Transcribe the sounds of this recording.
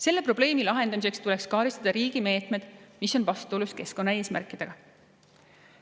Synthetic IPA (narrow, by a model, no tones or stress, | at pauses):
se̞lːe̞pro̞b̥le̞ːmilɑɦe̞nd̪̥ɑmis̬e̞kst̪ulekskɑːɾist̪ɑd̪̥ɑɾiːɡ̥ime̞ːt̪ˑme̞d̪̥miso̞nvɑst̪uoluske̞sko̞nːɑe̞ːsmæ̰rkˑid̪̥e̞ɡ̥ɑ